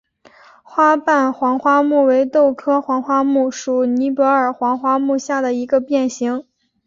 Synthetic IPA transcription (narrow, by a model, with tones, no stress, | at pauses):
xwa˥pa˥˩nxwɑ˧˥ŋxwa˥mu˥˩we˧˥ɪt̪o˥˩ʊkʰɤ˥xwɑ˧˥ŋxwa˥mu˥˩ʂu˨˩ni˧˥pwɔ˧˥ə˞˨˩xwɑ˧˥ŋxwa˥mu˥˧ɕja˥˩d̪ə˩i˧˥ɡə˧pjɛ˥˩nɕi˧˥ŋ